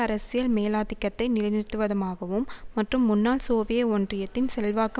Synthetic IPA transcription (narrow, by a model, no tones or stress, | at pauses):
ɐɾɐsɪjɐlmeːlaːðɪkːɐt̪ːɐɪnɪlɐnɪt̪ːɯʋɐðɐmaːɣɐʋɯmːɐʈrɯmːʊnːaːlsoːʋɪjɐoːndrɪjɐt̪ːɪnsɛlʋaːkːɯ